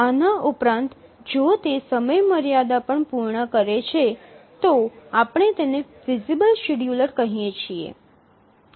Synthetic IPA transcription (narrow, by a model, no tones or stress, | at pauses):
anaʔupɾãnt̪d͡ʒot̪esəməjməɾjad̪apəɳpuɾɳəkəɾet͡ʃʰet̪oapəɳ̃et̪eneʋizibəlʃiɽjuləɾkəɦijet͡ʃʰiḛ